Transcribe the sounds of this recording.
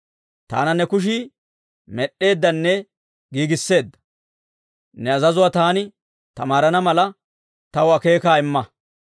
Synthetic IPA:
t̪a̰ːnɐnɛkʊʃ̬i | mɛɗe̞ːd̪ːɐnːɛ | ɡiːɡɪsːe̞ːd̪ːɐ̥ | nɛɐzɐzʊwaːt̪aːnɪ | t̪ɐmaːɾɐnɐmɐlɐ | t̪ɐwɐke̞ːkaːɪmːɐ

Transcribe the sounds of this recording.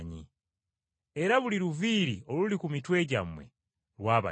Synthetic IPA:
ɲḭ | e̞ɾaβuliɾuviːɾio̞lulikumitwe̞ːɟamwe̞̰ | lwaːβa̰

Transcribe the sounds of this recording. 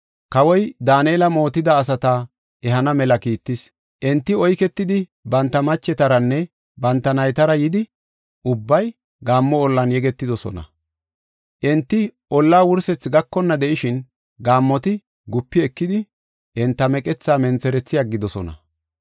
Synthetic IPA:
kɐwɔjd̪aːneːlɐmo̞ːt̪ɪd̪ɐːs̬ɐt̪ɐ | ɛɦɐnɐmɛlɐkiːt̪ːɪs | ʔɛnt̪ːɪɔjkɛt̪ːɪd̪ɪbɐnt̪ːɐmɐt͡ʃːɛt̪ɐɾɐnːɛ | bɐnt̪ːɐnɐjt̪ɐɾɐjɪd̪ɪ | ʔʊbːɐj | ɡaːmːɔɔlːɐnjɛɡɛt̪ːɪd̪ɔsɔ̰nɐ̰ | ʔɛnt̪ːɪʔɔlːaːwʊɾsɛt͡sːɡɐkːɔnːɐd̪ɛʔɪʃɪn | ɡaːmːɔt̪ɪ | ɡʊpːɪɛkːɪd̪ɪ | ʔɛnt̪ːɐmɛkʼɛt͡sːaːmɛnt͡sɛɾɛt͡sːɪjaɡɪd̪ɔsɔ̰nɐ̰

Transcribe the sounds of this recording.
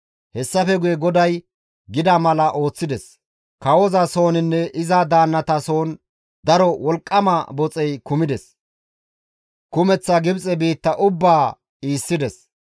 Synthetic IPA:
hɛsːɐfɛɡʊjɛɡɔd̪ɐj | ɡɪd̪ɐmɐlɐʔo̞ːt͡sːɪd̪ɛs | kɐwɔzɐso̞ːnɪnːɛʔɪzad̪aːnːɐt̪ɐso̞ːn | d̪ɐɾɔwɔlkʼːɐmabɔt͡sʼɛjkʊmɪd̪ɛs | kʊmɛt͡sːɐɡɪbt͡sʼɛbiːt̪ːɐʔʊbːaː | iːsːɪd̪ɛs

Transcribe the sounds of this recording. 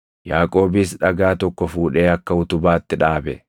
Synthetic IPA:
jaːkʼo̞ːbɪsᶑɐɡaːt̪ɔkːɔfuːᶑe̞ːɐkːɐʊt̪ʊbaːt̪ːɪᶑaːbɛ̰

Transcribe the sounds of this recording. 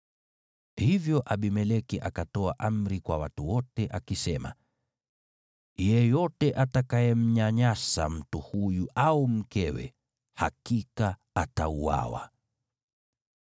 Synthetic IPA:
hivjɔʔaɓimɛlɛkɛʔakatɔaʔam̩ɾikwa̰watuwɔtɛʔakisɛma̰ | jɛjɔtɛʔatakajɛm̩ɲaɲasa̰m̩tuhujuʔaum̩kɛwɛ̰ | hakika | atauwa̰wa̰

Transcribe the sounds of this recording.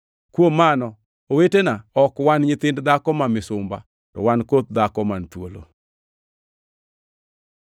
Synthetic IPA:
kwomanɔ | owetenaɔkwanɲɪt̪ɪndd̪akɔmamɪsʊmba̰ | tɔ̰wankot̪̚d̪akɔmant̪wolo̰

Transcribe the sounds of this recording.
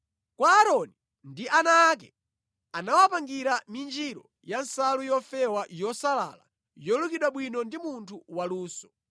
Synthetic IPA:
kwaːɾɔni | ndiʔanaːk̬ɛ | anawapaŋɡiɾamind͡ʒiɾɔ | jansalujɔfɛwajɔsala̰la̰ | jɔlukiɗwaɓwinɔndimuntʰuwaluːsɔ̥

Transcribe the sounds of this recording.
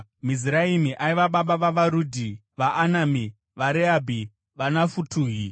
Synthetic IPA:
miziɾaimiʔaiʋaɓaɓaʋaʋaɾuːdʱi | ʋaʔːnami | ʋaɾeabʱi | ʋanafutʰuːɦi

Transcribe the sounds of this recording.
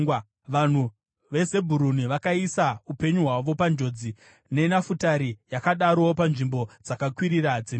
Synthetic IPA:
ʋan̤u | ʋe̞se̞bʱuɾuniʋakaisaupe̞ɲuɦwaʋo̞pand͡ʒo̞d͡zi | ne̞nafutaɾijakaɗaɾoopanʐimbo̞d͡zakakwiɾirad͡zem

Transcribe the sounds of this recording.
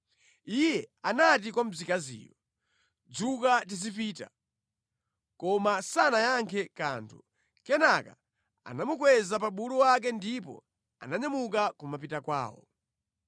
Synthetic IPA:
ijɛanatikwam̩zikazḭːjɔ | d͡zukatizipiːta̰ | kɔmasanajaŋkʰɛka̰ntʰu | kɛnaka̰ | a̰namukwɛzapaɓuluwak̬ɛndipɔ̰ | a̰naɲamuk̬akumapitakwa̰ːwɔ̰

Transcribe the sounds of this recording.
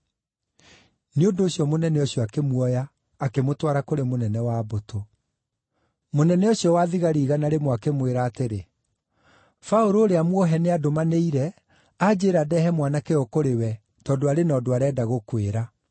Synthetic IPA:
neondoːɕjɔmonɛnɛoɕjɔakemwɔjaː | kemotwaɾakoɾemonɛnɛwaːboto | monɛnɛoɕjɔwaðiɣaɾiːɣanaɾemwakemweɾaːteɾe | faoɾoːɾeamwɔɦɛneadomaneiɾɛ | ad͡ʑeːɾadɛhɛmwanakeɔkoɾewɛ | tɔːdoaɾenɔːdoaɾɛːdaɣokweɾa

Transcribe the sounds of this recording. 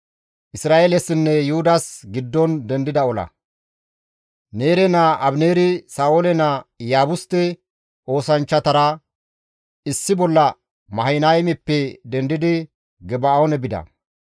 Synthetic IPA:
ʔɪsɾaːʔeːlɛsɪnːɛjʊhʊd̪ɐsɡɪd̪ːɔnd̪ɛnd̪ɪd̪ɐɔlɐ̰ | ne̞ːɾɛnaʔɐbneːɾɪsaːolɛnajaːbʊst̪ːɛ | ʔo̞ːsɐnt͡ʃːɐt̪ɐɾɐ | ɪsːɪbɔlːɐ | mɐhɐjnajmɪpːɛd̪ɛnd̪ɪd̪ɪ | ɡɛbaonɛbɪd̪ɐ̰

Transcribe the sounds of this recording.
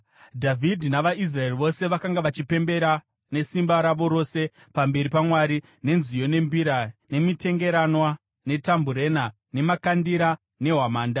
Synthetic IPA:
dʱavʱidʱinaʋais̬rae̞riʋo̞se̞ʋakaŋɡaʋat͡ʃipe̞mbe̞ɾa | ne̞simbaɾaʋo̞ɾo̞se̞ | pambe̞ɾipamwaɾi | ne̞nzijo̞ne̞mbiɾane̞mite̞ŋɡe̞ɾanwa | ne̞tambuɾe̞na | ne̞makandiɾa | ne̞ɦwamaːnda

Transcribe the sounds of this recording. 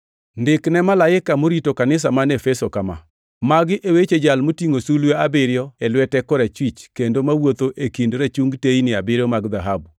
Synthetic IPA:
ndɪknɛmalaɪkamoɾitokanɪs̬amanefɛsokama̰ | maɡɪʔewet͡ʃed͡ʒalmotiŋosulweabɪɾjɔɛlwɛtɛkɔɾɛt͡ʃwit͡ʃkendomawot̪oʔekindɾat͡ʃuŋɡteinɪabɪɾɔmaɡd̪aɦabu

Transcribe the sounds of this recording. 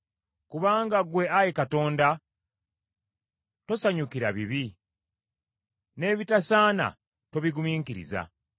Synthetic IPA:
kuβaːŋɡaɡwe̞ajekato̞ːnda | to̞saɲukiɾaβiβi | ne̞ːβitasaːna̰ | to̞βiɡumiːŋkiɾḭza̰

